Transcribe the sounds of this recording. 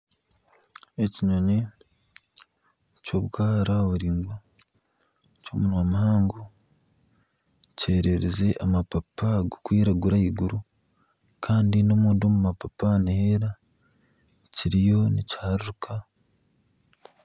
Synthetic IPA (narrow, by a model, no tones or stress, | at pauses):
eciɲone | coβɡaːɾaoβuɾiːŋɡwa | comunwamuhaːŋɡo | ce̞ɾeɾeze̞ʔamapapaɡukwiːɾaɡuɾaiɡuɾu | kʰaːndino̞muːndomumapapaniheɾa | ciɾijo̞nici̥haɾuɾukʰa